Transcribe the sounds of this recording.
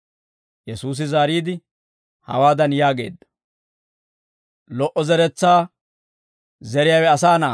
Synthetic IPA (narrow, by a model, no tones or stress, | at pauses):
jɛsuːs̬ɪzaːɾiːd̪ɪ | hɐ̰waːd̪ɐnjaːɡe̞̰ːd̪ːɐ̥ | lɔʔɔzɛɾɛt͡sːaː | zɛɾɪjawɛɐsaːna̰ː